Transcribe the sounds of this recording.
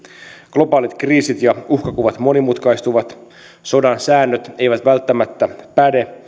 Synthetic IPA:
ɡ̥lo̞bɑːlit̪kriːsit̪jɑuhkɑkuʋɑt̪mo̞nimut̪kɑjst̪uʋɑt̪ | so̞dɑnsæːnːøt̪e̞jʋæt̪ʋælt̪ːæmæt̪ːæpæde̞

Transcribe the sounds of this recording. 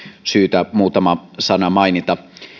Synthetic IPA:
syːt̪æmuːt̪ɑmɑsɑnɑmɑinit̪ɑ

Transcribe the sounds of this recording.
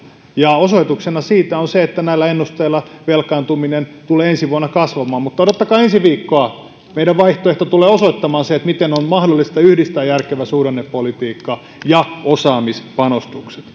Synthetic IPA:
jɑosoit̪uksenɑsiːt̪æonseet̪ːænæilːæenːust̪eilːˑɑʋelkɑnt̪uminent̪uleːensiʋuɑnːɑkɑsʋɑmɑːmmut̪ːɑdot̪ːɑkɑːensiʋiːkːoɑ | meiɾæʋʋɑiht̪oeht̪ot̪uleːosoit̪ːɑmɑːnseet̪mit̪enonmɑhdolːist̪ɑyhdist̪æːjærkeʋæsuːɾenːeppolit̪iːkːɑ | jɑosɑːmispɑnost̪ukse̥t̪

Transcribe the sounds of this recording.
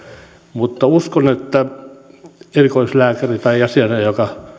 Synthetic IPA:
mut̪ːɑuskonet̪ːæ | erikoislæːkærit̪ɑiɑsiɑnejokɑ

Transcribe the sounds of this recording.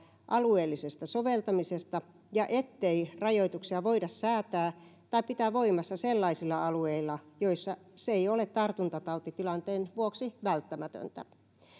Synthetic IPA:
ʔɑlueːlːisest̪ɑsoʋelt̪ɑmisest̪ɑ | jɑʔet̪ːeirɑjoit̪uksiɑʋoidɑssæːt̪æːt̪ɑipit̪æːʋoimɑsːɑselːɑisilːɑɑlueilːɑjoisːɑseeiolet̪t̪ɑrt̪unt̪ɑt̪ɑut̪it̪ilɑnt̪eːnʋuoksiʋælt̪ːæmæt̪ø̰nt̪æ̰

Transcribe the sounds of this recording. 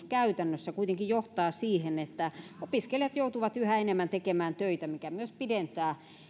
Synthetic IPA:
skæyt̪ænːøsːækuit̪eŋkijoht̪ɑːsiːhenet̪ːæopiskeljɑt̪jout̪uʋɑt̪yhæenemːænt̪ekemæːnt̪øit̪æmikæmyøspident̪æː

